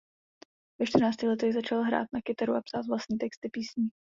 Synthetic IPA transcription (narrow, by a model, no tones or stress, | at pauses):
vɛʃt̪rnaːt͡scɪxlɛt̪ɛɣzat͡ʃalɦɾa̰ːt̪̚nakɪt̪aɾuʔapsaːt̪vlasɲiːt̪ɛkst̪ɪpiːsɲi